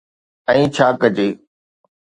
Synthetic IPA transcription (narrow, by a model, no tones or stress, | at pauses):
ɛ̃ːt͡ɕʰaːkəd͡ʑeː